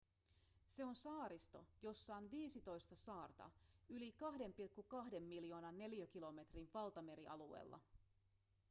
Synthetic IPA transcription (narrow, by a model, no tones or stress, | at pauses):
se̞o̞nsɑːɾist̪o̞̰jo̞sːɑːnʋiːsit̪o̞jst̪ɑsɑːrt̪ɑ̰ylikɑɦde̞mpilkːukɑɦde̞mːiljo̞ːnɑnːe̞ljøk̟ilo̞me̞t̪rinʋɑlt̪ɑme̞ɾiʔɑluḛːlːɑ̰